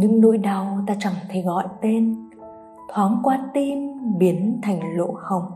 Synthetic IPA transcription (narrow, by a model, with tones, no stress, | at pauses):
ɲɨ̰˧˥ŋno̰˧˨jɗa˨˩wt̪aː˧t͡ɕa˧˩ŋt̪ʰə˨˧˩jɣɔ̰˧˨jt̪e˧n | t̪ʰwaː˨˦ŋkwaː˧t̪i˧nɓi˨˦ənt̪ʰa˨˧˩jŋ̟lo̰˧˥xə˨˩wŋ͡m